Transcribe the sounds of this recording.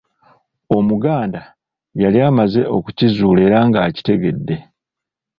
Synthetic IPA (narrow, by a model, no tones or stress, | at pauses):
o̞muɡaːnda | jaliaːmaze̞ʔo̞̰ku̥cizuːle̞ɾaŋɡaːci̥te̞ɡe̞dːe̞